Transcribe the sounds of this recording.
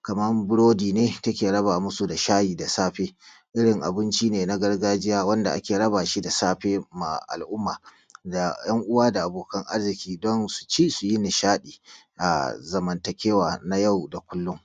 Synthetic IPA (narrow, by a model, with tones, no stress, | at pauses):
kɐ˨mɐ˦rbʊ˦ɽoː˦diː˨neː˦tɐ˦kʲeː˨ɽɐ˦baː˨mʊ˦su˨da˨ʃaː˦jiː˨da˨saː˦ɸeː˦ | ʔɪ˦ɽɪ˨ŋʔa̰˨bɪ˦nt͡ʃiː˦neː˨na˦ɡɐ˦rɡaː˦d͡ʒɪ˦jaː˦wɐ˦nda̰˨ʔa˦kʲeː˨ɽɐ˦baː˨ʃi˦da˨saː˦ɸeː˦ma̰˨ʔa̰˨lʔʊ˦mːaː˨ | da˨jɐ˦ŋʔʊ˦waː˦da˨ʔa˨boː˨kɐ˦ŋʔa˦rzɪ˨kʲiː˦dɔ˦nsu̥˨t͡ʃiː˦su˨ji˦nɪ˨ʃaː˦ɗiː˨ | ʔa̰˨zɐ˨mɐ˨ntɐ˨kʲeː˦waː˨na˦ja˦˨wda˨kʷʊ˦lːʊ˦ŋ